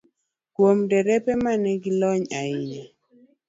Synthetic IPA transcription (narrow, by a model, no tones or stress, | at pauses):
kwomdɛɾɛpɛmanɛɡɪlɔɲaɪɲa